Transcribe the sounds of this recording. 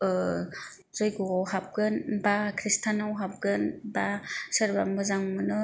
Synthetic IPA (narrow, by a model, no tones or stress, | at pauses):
ɯ | zɯjɡuawɦap̚ɡɯnbakʰɾistʰanawɦap̚ɡɯnbasɯɾbambɯzaŋmɯnɯ